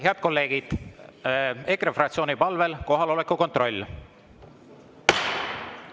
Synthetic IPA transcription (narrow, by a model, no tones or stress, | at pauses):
ɦeɑd̪̥̚ko̞lːe̞ːɡ̥id̪̥ | ekɾefrɑkt̪sio̞ːnipɑlve̞lko̞ɦɑlo̞lekːuko̞nt̪ro̞lʲː